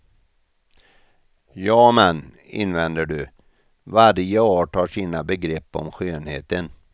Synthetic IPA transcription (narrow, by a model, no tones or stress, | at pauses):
jɑːmɛnː | ɪ̰nvɛnd̪əɖɵ | vaɾjəoːʈʰɑːʂiːnabɛɡɾɛpːɔ̰mɧøːnhḛːt̪ən